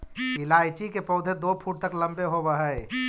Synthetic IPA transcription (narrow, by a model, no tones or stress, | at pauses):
ilaːjt͡ʃikepɔːd̪ʱed̪opʰuʈ̚t̪əklə̃mbeɦobəɦəj